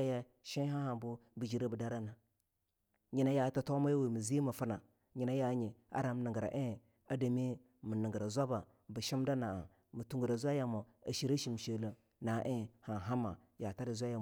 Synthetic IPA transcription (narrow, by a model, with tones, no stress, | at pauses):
a˦ja˦ | ʃi˦ɦa˦ha˨bu˦bi˨d͡ʒi˨ɾa˦bu˨da˦ɾa˦na˨ | ɲi˨na˦ja˨ta˨to˦ma˦ja˦we˨mi˨zi˦mu˨fu˦na˨ | ɲi˨na˦ja˨˦ɲi˨a̰˦ɾa˨m˨ni˨ŋɡɾa̰˨ʔe˦˨ | a˨da˨me˦ | mu˨ni˨ŋɡə˨ɾa˨zʷa˦ba˨ | bu˨ʃi˦m˦da˦na˨a˨ | mu˨tu˨ŋɡu˨ɾa˨zʷa˦ja˨mo˨a˨ʃi˨ɾa˦ʃi˨m˨ʃe˨la˨ | na˨ʔe˦˨ha˨ɦa˦ma˨ | ja˨ta˦di˨zʷa˦ja˨